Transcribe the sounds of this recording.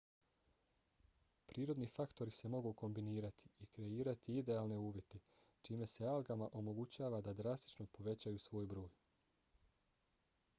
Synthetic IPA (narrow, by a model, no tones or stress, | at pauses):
pɾʔiːɾo̞d̪niːfakt̪o̞ɾise̞mo̞ɡuko̞mbiniːɾat̪ʰi̥ikɾe̞iːɾat̪iid̪e̞aːlne̞uːʋjet̪e̞ | t͡ʃiːme̞sealɡamaʔo̞mo̞ɡut͡ɕaːʋad̪ad̪ɾast̪i̥t͡ʃno̞po̞ʋe̞t͡ɕajusʋo̞ːjbɾo̞ːj